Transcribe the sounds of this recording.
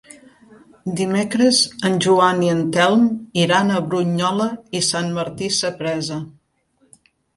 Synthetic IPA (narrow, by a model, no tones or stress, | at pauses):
d̪imekɾəzənʲʒuaniənt̪ɛlˠmiɾanəβɾuɲɔləisanməɾt̪isəpɾɛzə